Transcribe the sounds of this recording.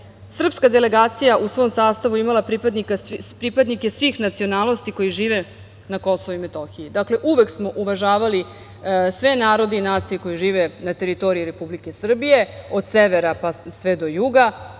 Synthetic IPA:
sr̩pskad̪ele̞ɡaːt̪sijaʔusʋo̞ːmsaːst̪aʋuimalapɾipad̪nikapɾipad̪nike̞sʋixnat̪sio̞naːlnost̪iko̞jiʒiːʋe̞ | nako̞soʋuime̞t̪o̞xiid̪akle̞ʔuʋe̞ksmo̞ʔuʋaʒaːʋali | sʋe̞naːɾo̞d̪einaːt̪sijeko̞jiʒiːʋenat̪e̞ɾit̪o̞ɾiiɾe̞publike̞sr̩bije̞o̞d̪seʋeɾapasʋed̪o̞juɡa

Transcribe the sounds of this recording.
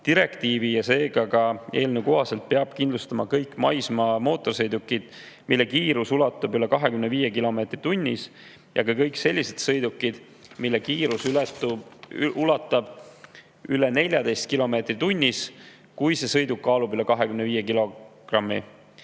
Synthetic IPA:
t̪iɾe̞kt̪iːvijɑse̞ːɡɑkɑe̞ːlneuko̞ɦɑse̞lt̪̚peɑb̥̚kind̪lust̪ɑmɑkɤjkːˑmɑ̰jsmɑmo̞ːt̪ːˑo̞rsɤjd̪ukːid̪̥ | milːe̞kiːɾusulɑt̪ːˑɑbyle̞kɑɦe̞kymne̞viːje̞kilo̞me̞ːt̪rit̪unʲːis | jɑ̰kɑkɤjkse̞lʲːise̞d̪sɤjd̪ukːˑid̪̥ | milːekiːɾusl | ʔulɑt̪ːˑɑb̥ | yle̞ne̞lʲjɑd̪e̞jst̪̚kilo̞me̞ːt̪rit̪unʲːis | kujse̞sɤ̞jd̪ukːɑːlubyle̞kɑɦe̞kymne̞viːje̞kilo̞ɡ̥rɑmːi

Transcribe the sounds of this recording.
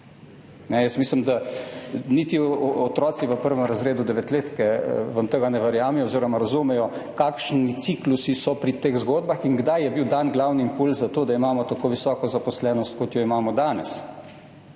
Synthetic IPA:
nɛjəsmiːslimd̪a | niːt̪iɔt̪ɾɔːsiʋəpəɾʋɛmɾazɾeːd̪ud̪ɛʋɛt̪leːt̪kɛʋamt̪əɡanɛʋɛɾjaːmɛjɔːziːɾɔmaɾazumɛjɔkaːkʃnit̪siklusisɔpɾit̪eːɣzɡoːd̪̚baxinɡd̪ajjɛbiwd̪anɡlaːwniːmpulzzat̪oːd̪aimaːmɔt̪akoːʋisɔːkɔzapɔslɛːnɔst̪̚kɔt̪jɔimaːmɔd̪aːnɛs

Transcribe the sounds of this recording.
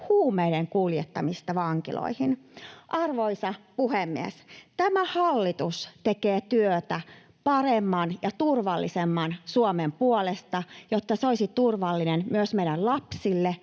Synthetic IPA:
huːmeiɾeŋkuljet̪ːɑmist̪ɑʋɑŋkḭlo̰ihinʔɑrʋoisɑpuhemːḭḛst̪æmæhɑlːit̪ust̪ekeːt̪yøt̪æ | pɑremːɑnjɑt̪urʋɑlːḭsemːɑnsuomempuolest̪ɑjot̪ːɑseoisit̪urʋɑlːinenmyøsmeijɾællɑpsilːe

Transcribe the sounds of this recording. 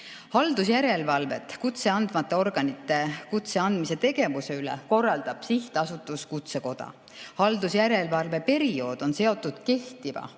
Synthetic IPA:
hɑld̪̥usjæɾe̞lvɑlve̞̰t̪ːˑkut̪se̞ɑnd̪̥mɑt̪ˑːe̞o̞rɡ̥ɑnit̪ːˑe̞kut̪se̞ɑnd̪̥mise̞t̪e̞ɡ̥e̞vuse̞yleko̞rːɑld̪̥ɑb̥siht̪ɑsut̪ːˑuskut̪se̞ko̞d̪̥ɑ̰ | hɑld̪usjæɾe̞lvɑlve̞pe̞ɾio̞ːd̪̥o̞nse̞o̞t̪ːˑud̪̥ke̞ht̪ivɑ̰

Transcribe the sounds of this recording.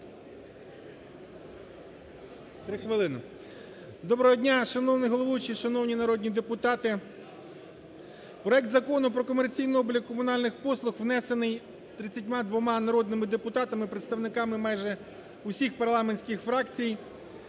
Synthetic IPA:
t̪ɾɪxʋɪlˠɪnɐ̰ | d̪ɔbɾɔɦɔdʲnʲaʃɐnɔwnɪɦɔlˠɔʋɔjʊt͡ʃiʃɐnɔwnʲinɐɾɔd̪ʲnʲid̪e̞pʊt̪ɑt̪ɪ | pɾɔɛk̚t̪zɐkɔnʊpɾɔkɔmert͡sʲijnɪɔblʲɐkkːɔmʊnɑlʲnɪxpɔslˠʊxʋnɛsenɪj | t̪ɾɪt͡sʲːɐtʲmɑd̪ʋɔmɑnɐɾɔd̪nɪmɪd̪epʊt̪ɑt̪ɐmɪpɾet̪st̪ɐʋnɪkɑmɪmɑjʒɛ | ʊsʲixpɐrlˠɑmenʲsʲkɪxfɾɑkt͡sʲij

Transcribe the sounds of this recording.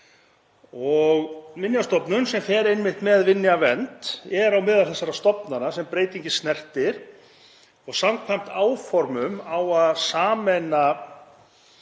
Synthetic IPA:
ɔɣvɪnjast̪ɔpnʏnsɛmθɛːɾejnmɪht̪mɛðvɪnːjavɛnt̪ɛɾawmɪðaɾθɛsːaɾast̪ɔpnanasɛmpɾeːjt̪iɲcɪsnɛr̥t̪ɪɾ̥ | ɔɣsamkʰvajm̥t̪aːwfɔɾmʏmawaðsaːmɛna

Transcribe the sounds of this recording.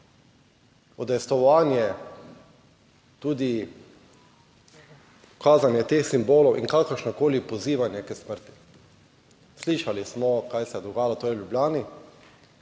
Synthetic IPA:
ɔd̪ɛjst̪ɔʋaːnjɛ | t̪uːd̪i | ɔkaːzanjɛt̪eːxsimboːlɔwʔḭŋkakəɾʃnɔkoːlipɔziːʋanɛkəsməɾt̪i̥ | sliʃalismɔkajsɛɛd̪ɔɡaːjaat̪oːɾɛljubljaːni

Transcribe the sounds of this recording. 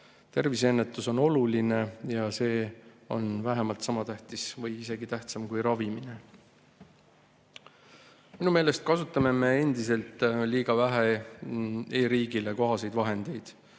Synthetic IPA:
t̪e̞rvis̬e̞nːet̪ːˑuso̞no̞luline̞jɑse̞ːo̞̰nvæɦemɑlt̪sɑmɑt̪æht̪isvɤjise̞ɡit̪æht̪sɑmkujɾɑvimine̞ | minume̞ːle̞st̪̚kɑsut̪ːˑɑme̞me̞e̞nd̪ise̞lt̪ˑliːɡ̥ɑvæɦe | e̞ːɾiːɡ̥ile̞ko̞ɦɑse̞jd̪vɑɦe̞nd̪̥e̞jd̪̥

